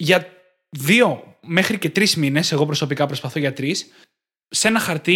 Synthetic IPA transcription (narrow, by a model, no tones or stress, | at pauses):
ʝɐ | ðio̞ | me̞xɾice̞t̪ɾizmine̞se̞ɣo̞pɾo̞so̞pikɐpɾo̞spɐθo̞ʝɐt̪ɾis | se̞nɐxɐɾt̪i